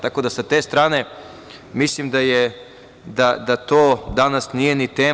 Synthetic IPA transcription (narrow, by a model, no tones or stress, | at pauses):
t̪ako̞d̪asat̪e̞ːst̪ɾaːne̞ | mislimd̪aje | d̪ad̪at̪oːd̪anasnije̞nit̪eː